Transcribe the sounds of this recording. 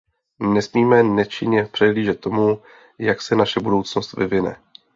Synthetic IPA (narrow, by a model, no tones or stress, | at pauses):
nɛsmiːmɛnɛt͡ʃɪɲɛpr̝̥ɛɦliːʒɛt̪̚ːo̞mu | jaksɛnaʃɛbudo̞wt͡sno̞st̪vɪvɪnɛ̰